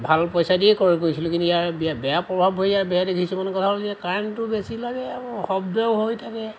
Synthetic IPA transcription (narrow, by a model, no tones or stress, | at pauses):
bʱalpɔjsadiɛjkoɹikoɹisilʊkintujaɹbabɛjapɹɔbʱabɦojaɹbɛjadeɡʱisɔmanɛkɔtʰaɦɔlzɛkaɹntʊbesilaɡɛxɔbdɔwɦojtʰakɛ